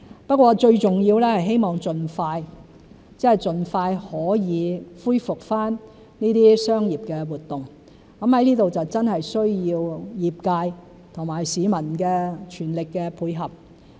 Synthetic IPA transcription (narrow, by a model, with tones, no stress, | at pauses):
pɐ˥t̚k̚ʷwɔː˧t͡ʃɵ˧ɥt͡sʊ˨˩ŋjiː˧wlɛː˥hɐ˨jɦe˥jmɔː˨ŋt͡sɵ˨nfaː˧j | t͡sɛː˥˨˩jt͡sɵ˨nfaː˧jhɔː˨˥jiː˨˧fuː˥jfʊ˨k̚faː˥n | niː˥t̪iː˥sœː˥ŋjiː˨p̚kɛː˧wuː˨˩t̪̚ʊ˨ŋ | kɐ˨˥mhɐ˨˥jniː˥t̪o˨wt͡sɐ˨wt͡sɐ˥nɦɐ˨jsɵ˥ɥjiː˧wjiː˨p̚kaː˧j | t̪ʰʊ˨˩ŋmaː˨˩jsiː˨˥mɐ˨˩nkɛː˧t͡ʃʰyː˨˩nlɪ˨kːɛː˧pʰuː˨˧jɦɐ˨p̚